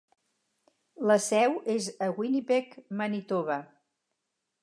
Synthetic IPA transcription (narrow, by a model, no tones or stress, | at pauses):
ləsɛwezəɣwinipekmənit̪oβə